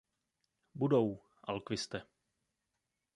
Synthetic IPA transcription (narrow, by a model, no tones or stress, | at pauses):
budow | ʔalkvɪst̪ɛ